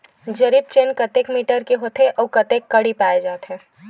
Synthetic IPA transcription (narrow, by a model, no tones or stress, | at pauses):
d͡ʒɐɾiːb̚t͡ʃeːnkɐt̪eːkmiːʈəɾkeɦoːt̪eʔɔːkɐt̪eːkːɐɽipaːed͡ʒaːt̪ɦɛ̃ː